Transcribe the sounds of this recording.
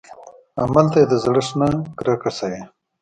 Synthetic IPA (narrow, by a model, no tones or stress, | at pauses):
amalt̪ajed̪əzɽəʂnaɡɾakasaje